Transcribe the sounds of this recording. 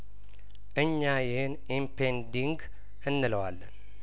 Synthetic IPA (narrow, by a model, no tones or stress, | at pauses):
ʔɨɲːajɪhɨnʔimpʰend̪iŋɡ | ɨnːɨləwa̰lːən